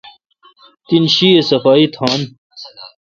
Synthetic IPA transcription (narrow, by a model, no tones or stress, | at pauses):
t̪inɕiːesɐfaːit̪ʰaːn